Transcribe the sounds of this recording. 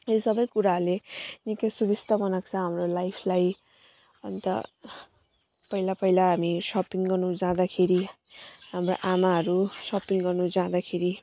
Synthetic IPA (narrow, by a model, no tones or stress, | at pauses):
sʌbʌjkuɾalenikesubist̪ʌmʌnakt͡sʰʌ̃ɦamrolajpʰlaj | ʌ̰nt̪ʌ̰ | pʌɦilapʌɦilaɦamisʌpiŋɡʌrnud͡zãd̪akʰeɾi | ɦamro̰ʔamaɦʌɾusʌpiŋɡʌrnud͡zãd̪akʰeɾi